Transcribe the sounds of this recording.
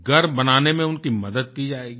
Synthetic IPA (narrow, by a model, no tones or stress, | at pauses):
ɡʱɐɾbɐnaːnemẽʊnkimɐd̪əd̪̚kid͡ʒaːeːɡi